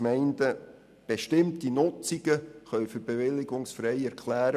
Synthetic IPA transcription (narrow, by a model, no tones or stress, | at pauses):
mɛɪndə | b̥eʃtɪmtinʊt͡siɡ̥əχœʏfyɾb̥evɪlːɪɡʊŋsfɾɛɪɛɾkʰlæːɾə